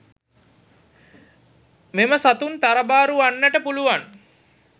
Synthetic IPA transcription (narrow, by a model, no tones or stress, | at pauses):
meməsat̪unt̪aɾəbaːɾuanːəʈəpuluʋan